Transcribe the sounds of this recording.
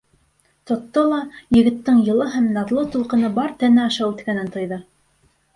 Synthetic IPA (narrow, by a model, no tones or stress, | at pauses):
t̪ŏt̪ːolˠɑjɘ̆ɡɘ̆t̪ːɘɴjɤ̆lˠɤɦæmnɑðlˠɤt̪ulˠqɤ̆nɤbɑɾt̪ænæɑʃɑwʉt̪kænɘnt̪ŏjðɤ